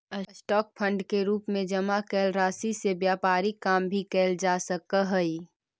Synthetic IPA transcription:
sʈɔːk̚pʰə̃ɳɖkeɾuːpmẽd͡ʒɐmakɛːlɾaːsisebjaːpaːɾikaːmbʱikɛːld͡ʒaːsəkəɦəi

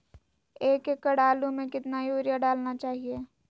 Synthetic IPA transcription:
eːkekːəɽaːlumẽkɪt̪najoːɾjaɖaːlnat͡ʃaːɦieː

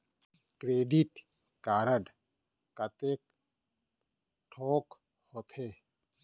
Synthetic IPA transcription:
kɾeːɖiʈ | kaːɾəɖ | kɐt̪eːk | ʈʰoːk | hoːt̪ʰeː

